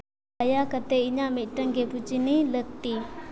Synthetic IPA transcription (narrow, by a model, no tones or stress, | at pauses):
ajakət̪eiɲamit̪̚ʈəŋɡeput͡ʃinilək̚t̪i